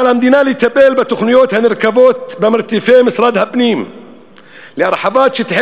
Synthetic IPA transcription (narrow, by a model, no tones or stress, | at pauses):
alamd̪iːnaːlit̪abeːlbat̪ʊxnʊjoːt̪hanɪɾkaboːt̪bamɪɾt̪ɪfeːmɪsɾˤɑːd̪habniːm | liʔɑɾˤħɑbɑːt̪ʃɪt̪ħɪ